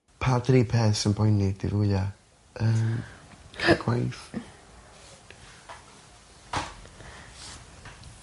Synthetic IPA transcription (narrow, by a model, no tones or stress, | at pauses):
pʰadriːpʰɛːsənbɔjnid̥ḭɾuja | əːmkʰaɡ̥wajθ